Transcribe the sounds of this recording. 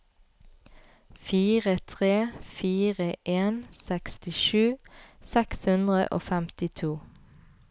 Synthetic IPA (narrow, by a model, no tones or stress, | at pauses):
fiːʁət̪ʰʁeːfiːʁəʔeːnsɛkst̪ɪʃʉːsɛkshʉnd̪ʁə̰ʔo̰ːfæmt̪ɪt̪ʰuː